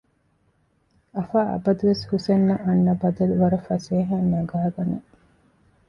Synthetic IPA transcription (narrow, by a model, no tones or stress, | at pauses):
ɐfaːɐ̰bɐd̪uʋeshusenːɐʔɐnːɐbɐd̪ɐluʋɐɾɐfɐseːɦaːnːɐɡaːɡɐnɐ